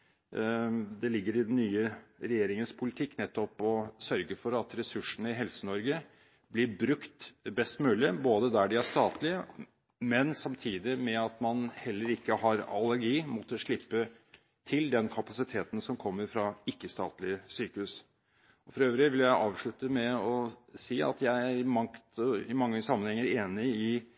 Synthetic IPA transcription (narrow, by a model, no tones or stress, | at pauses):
d̪ɛlɪɡːəɾɪd̪nːyːəɾɛjeːɾɪŋənspʰʊlɪt̪ʰɪkːnɛt̪ːɔpɔsœɾɡəfɔɾɑt̪ɾɛsʉʂəɳəɪɦɛlsənɔɾɡə | blɪɾbɾʉkt̪bɛst̪mʉːlɪboːd̪əd̪æɖɪæʂt̪ɑːt̪lɪə | mɛnsɑmt̪ʰiːd̪ɪmɛɑt̪mɑnhɛlːəɾɪkːəɦɑɾɑ̰lːəɾɡiːmɔt̪ːəʂɭɪpːə | t̪ʰɪld̪ɛnkʰɑpɑsɪt̪ʰeːt̪n̩sɔmkʰɔmːəɾfɾɑɪkːəst̪ɑ̰ːt̪lɪəsyːkəʉs | ɔfɔɾɑɾøːʋɾɪʋɪljæɪʔɑːʋʂɭʉt̪əmɛɔsiːɑ̰t̪jæɪæɾmɑkt̪ɔɪmɑŋːəsɑmːənhɛŋːəɾeːnɪɪ